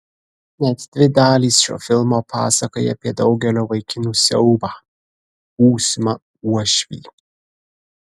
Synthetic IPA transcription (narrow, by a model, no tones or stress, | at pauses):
nʲɛt̪d̪ʲʋʲɪd̪ɑːlʲiːsʃo̰ːfʲɪlˠmopʰɑ̰ːsɐkojɛ̰pʲiɛd̪ɐʊɡʲɛlʲoːʋɐɪkʲɪnuːsʲɛʊbɑ | uːsʲmɐ | uɔʃʲʋʲḭː